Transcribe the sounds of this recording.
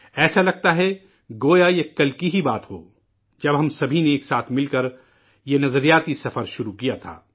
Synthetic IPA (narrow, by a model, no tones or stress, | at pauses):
ɛːsalɐɡ̚t̪aɦɛ | ɡoːjajekɐlkiɦibaːt̪ɦo̰ː | d͡ʒɐbɦɐmsɐbʱineeːksaːt̪ʰmɪlkɐɾ | jenɐzəɾijaːt̪isɐfəɾʃʊɾukijat̪ʰa̰ː